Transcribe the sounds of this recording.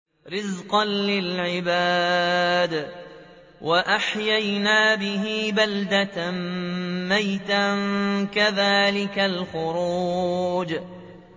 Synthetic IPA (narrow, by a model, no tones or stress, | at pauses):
ɾɪzqɑnlɪlʕɪbaːd̪ | wʔaʔaħjajnaːbɪɦiːbald̪at̪mmajt̪ankaðaːlɪkalxʊɾuːd͡ʒ